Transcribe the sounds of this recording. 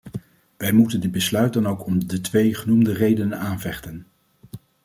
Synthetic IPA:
ʋɛjmutəndɪd̚bəslœɥt̚dɑnowkɔmdətʋejχənumdərejdənənaːnvɛχtən

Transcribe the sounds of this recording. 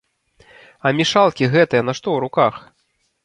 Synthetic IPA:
ɐmʲiʂalˠkʲiɣɛt̪ɨjɐnɐʂt̪ɔwɾukax

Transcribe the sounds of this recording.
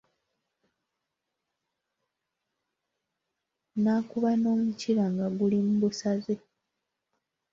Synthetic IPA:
naːkuβano̞ːmuciɾaŋɡaɡulimubusaze

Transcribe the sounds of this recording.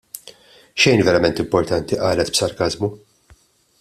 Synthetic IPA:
ʃɛjnvɛɾɐmɛnt̪ɪmpɔɾt̪ɐnt̪iʔɐːlɛt̪bsɐɾkɐzmu

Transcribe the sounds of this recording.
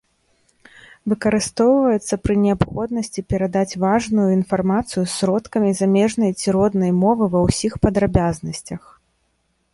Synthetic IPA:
vɨkɐɾɨst̪ɔwvɐjɛt̪sːɐpɾɨnʲɛapxɔd̪̚nɐsʲt͡sʲipʲɛɾad̪at͡sʲvaʐnujuinfarmat̪sɨjusːɾɔt̪kɐmʲizamʲɛʐnɐjt͡sʲiɾɔd̪nɐjmɔvɨvɐwsʲixpɐd̪ɾabʲaznɐsʲt͡sʲɐx

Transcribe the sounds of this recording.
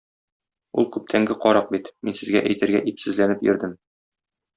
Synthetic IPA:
ulˠkʉp̚t̪ʰæŋɡɘqɒɾɑq̚bit̪minsɘ̆zɡæʔæjt̪ɘ̆ɾɡæʔipsɘ̆zlænɘpjɵ̆ɾd̪ɘm

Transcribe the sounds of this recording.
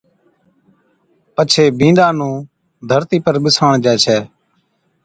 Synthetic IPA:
pət͡ʃʰeːbʱĩːnd̪ãːnũː | d̪ʱəɾt̪iːpəɾɓɪsaːɳd͡ʒɛːt͡ʃʰɛː

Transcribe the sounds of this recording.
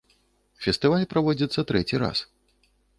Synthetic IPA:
fʲɛst̪ɨvalʲpɾavɔd͡zʲit̪sːɐt̪ɾɛt͡sʲiɾa̰s

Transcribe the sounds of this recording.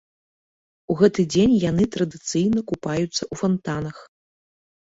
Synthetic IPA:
uɣɛt̪ɨd͡zʲenʲjan̪ɨt̪ɾɐd̪ɨt̪sɨjnɐkupajut̪sːɐʔufant̪anɐx

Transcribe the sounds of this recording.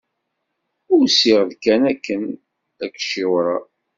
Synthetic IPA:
ʊɾsɪʁðkænækːən | ækːʃiwɾɑ

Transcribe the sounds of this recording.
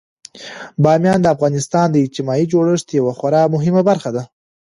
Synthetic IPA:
bɑmjɑnd̪əafɣɑnɪst̪ɑnd̪əɪd͡ʒt̪imɑid͡ʒoɽəʂt̪jawaxwaɾɑmʊɦɪmabaɾxad̪a

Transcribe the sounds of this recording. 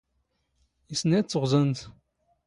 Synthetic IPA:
isnæt͡sːəʁzənt̪

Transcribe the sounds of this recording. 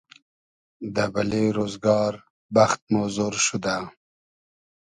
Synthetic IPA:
d̪əbaleɾozɡɑːɾ | baxt̪̚mozoɾʃud̪a

